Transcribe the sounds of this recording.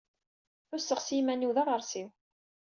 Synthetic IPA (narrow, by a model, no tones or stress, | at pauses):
θʊsːəʁsimænːiwðɑðəɾˤsiw